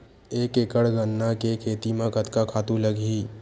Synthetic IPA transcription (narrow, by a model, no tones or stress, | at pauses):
eːkekəɽɡənːakekʰeːt̪imãkət̪kakʰaːt̪ũləɡiː